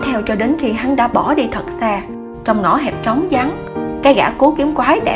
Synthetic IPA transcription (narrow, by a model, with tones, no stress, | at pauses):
t̪ʰɛ˧wt͡ɕɔ˧ɗe˨˦nxi˧ɦa˨˦ŋɗa̰ː˧˥ɓɔ˧˩ɗi˧t̪ʰə˨˩t̚saː˧ | t͡ɕɔ˧wŋ͡mŋɔ̰˧˥ɦɛ˨˩p̚t͡ɕə˨˦wŋ͡mza˨˦ŋ | kaː˨˦jɣa̰ː˧˩ko˨˦ki˨˦əmkwaː˨˦ɗɛ̰˧˨